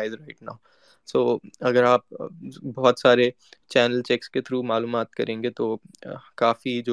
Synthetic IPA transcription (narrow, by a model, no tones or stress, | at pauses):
ɪzɾaɪʈna̰ːʊ | soːɐɡəɾaːp̚bɔːt̪saːɾe | t͡ʃɛːnəlt͡ʃɛksket̪ʰɾuːmaːluːmaːt̪kɐɾʔẽːŋɡet̪oːkaːfid͡ʒoː